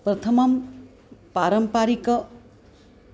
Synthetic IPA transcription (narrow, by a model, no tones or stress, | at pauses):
pɾʌt̪ʰɐmʌm | paɾʌmpaɾikʌ